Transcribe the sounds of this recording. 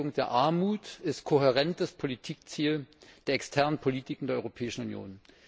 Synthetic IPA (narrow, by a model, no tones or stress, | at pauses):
ʊŋd̥eːɐʔaɐmuːtɪstkʰoɦeʁɛntəspʰolitʰiːk̚t͡siːld̥eːɐɛkstʰɛɐnənpʰoliːtʰɪkŋ̩deːɐɔʏʁopʰɛːɪʃn̩unjo̰ːn